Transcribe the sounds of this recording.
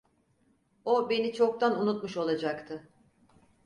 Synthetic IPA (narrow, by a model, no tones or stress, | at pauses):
obe̞nit͡ʃʰo̞k̚t̪ʰanunut̪̚muʃo̞lˠad͡ʒakt̪ʰɯ